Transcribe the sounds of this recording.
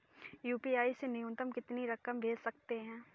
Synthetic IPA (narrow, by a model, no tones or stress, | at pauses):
juːpiaːisenɪjʊ̃nt̪əmkɪt̪niɾɐkəmbʱeːd͡ʒsɐk̚t̪eɦɛ̃ː